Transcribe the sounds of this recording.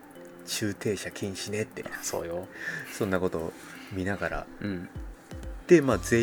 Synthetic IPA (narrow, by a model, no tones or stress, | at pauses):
t͡ɕɨːt̪ʰe̞ːɕakʲĩɰ̃ɕine̞t̪ːḛso̞̰ːjosõ̞nːako̞t̪o̞mʲinaɡaɾa̰ɯ̟̃ɴ | d̪̥e̞maːze̞ː